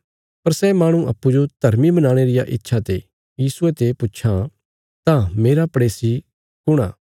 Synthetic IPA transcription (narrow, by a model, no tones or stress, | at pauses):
pɐɾsɛmaːɽ̃ũʔɐ̰pːud͡ʒod̪ʱɐɾmibɐnãːɽ̃eɾɪjaʔɪtːʃʰat̪e | jiːsuet̪epʊtːʃʰa | t̪ãmeːɾapɽeːsi | kʊɽ̃a̰ː